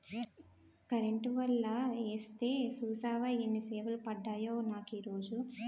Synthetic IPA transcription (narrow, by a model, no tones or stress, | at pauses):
kɐɾeɳʈʋɐlːɐeːst̪e̞ːsuːsaːʋɐinːiseːʋɐlupɐɖːaːjoːnaːkiːɾo̞ːd͡ʒu